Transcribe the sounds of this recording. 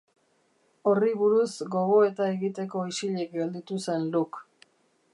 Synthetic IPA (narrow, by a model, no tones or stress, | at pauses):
o̞riβuɾusɡo̞ɣo̞e̞t̪ae̞ɣit̪e̞ko̞isiʎek̚ɡe̞ld̪it̪usenluk